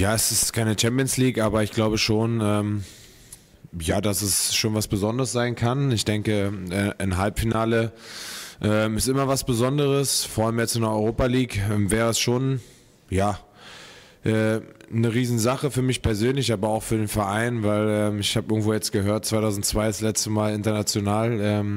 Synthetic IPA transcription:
jaːɛsɪstkʰaɪnət͡ʃɛmpiənsliːkʔaːbɐɪçɡ̥laʊbəʃoːnʔɛːm | jaːdasɛsʃoːnvasb̥əzɔndəʁəsz̥aɪnkʰanɪçd̥ɛŋkəʔɛːʔɪnɦalpfinaːlə | ʔɛːmɪstʔɪmɐvasb̥əzɔndəʁ̞əsfɔːɐʔalmjɛt͡sɪndɛɐɔʏʁoːpaliːkɛmvɛːʁəɛsʃoːn | jaː | ʔɛːnəʁ̞iːzn̩zaχəfyːɐmɪçpʰɛɐzøːnlɪçʔaːbɐaʊxfyːɐdeːnfɛɐʔaɪnvaɪlɛːmɪçhaːbʔɪɐɡŋ̩tvoːjɛt͡stɡ̥əɦøːɐt̚t͡sv̥aɪtʰaʊzn̩tt͡sv̥aɪəslɛt͡stəmaːlɪntɐnat͡sjonaːlʔɛːm

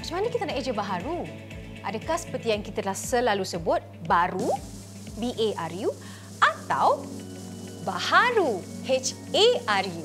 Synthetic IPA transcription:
pəsəmanakit̪anaʔed͡ʒəbaɦaɾu | ʔadakahsə̥pərt̪iaŋkit̪adəlahsəlalusəbʊt̪̚baɾu | biʔeʔarju | ʔat̪aw | bahaɾuhet͡ʃ | earju

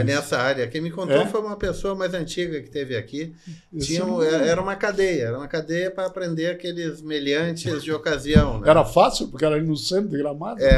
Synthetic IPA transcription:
nɛsɐaɾjɐkẽmɪ̃kõnt̪ejfojũmɐpesoɐmajzɐ̃nt͡ʃiɡɐkɪ̥t̪evɪakit͡ʃĩɲɐ̃ɛɾɛɾɐũmɐkad̪ejɐɛɾɐũmɐkad̪ejɐpɾɐːpɾẽnd̪eɾakelɪzmeʎɐ̃nt͡ʃɪzd͡ʒɪokaziɐ̃w̃nɛɛɾɐfasiwpoɾkeɛɾɐinũsẽnd̪eɡɾamad̪ɛ

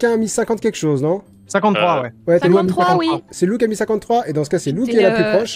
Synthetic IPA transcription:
kɛ̃amisɛ̃kɑ̃t̪̚kʲɛkʃoznɔ̃ | sɛ̃kɑ̃t̪t̪ːχwawɛwɛt̪ɛlamiskɑ̃wasɛlukʲamisɛ̃kɑ̃t̪ːχwaed̪ɑ̃sə̥kasɛlukkʲiɛlaplypχɔʃ

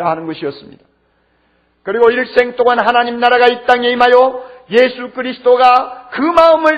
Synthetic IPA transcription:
aɦanɯnɡʌɕʰiʌs͈ɯmɲid̥a | kɯɾiɡoiɭs͈e̞ŋt͈oŋanɦanaɲimnaɾaɡaip̚t͈aŋe̞imɦajoje̞sʰukʰɯɾisʰɯ̥td͈oɡakɯmaɯmɯɭ

